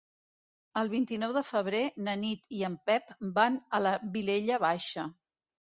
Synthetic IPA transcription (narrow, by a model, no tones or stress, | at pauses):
əlˠβint̪inɔwðəfəβ̞ɾenənit̪iəmpɛpbanələβileʎəβ̞aʃə